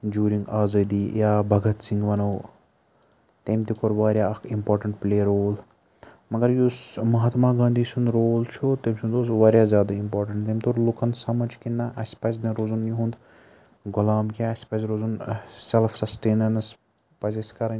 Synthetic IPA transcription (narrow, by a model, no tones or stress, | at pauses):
d͡ʒjuːɾiŋɡaːzɐd̪iːjaːbʱɐɡɐt̪sĩŋɡʋɐnoː | t̪eːmt̪ukoɾʋaːɾʲjaːɐkʰimpoːɾʈɐɳʈpleːɐɾoːl | mɐɡɐɾjusmɐɦat̪maːɡãːnd̪iːsund̪ɾoːlt͡ʃʰut̪eːmʲsund̪oːsʋaːɾjaːzjaːd̪aimpoːɾʈɐɳʈt̪eːmʲt̪oɾlukɐnsɐmɐd͡ʒkinːaʔɐsʲpɐt͡ʃnɐɾoːzunjuɦũnd̪ | ɡʊlaːmkʲaɐsʲpɐsɾoːzunselfʰsɐsʈeːnɐnɐs | pɐzɐsʲkɐɾɐn